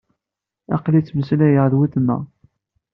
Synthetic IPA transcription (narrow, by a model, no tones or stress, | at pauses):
ɑ̰qlit͡sːməslæjəʁðwiθnːə̰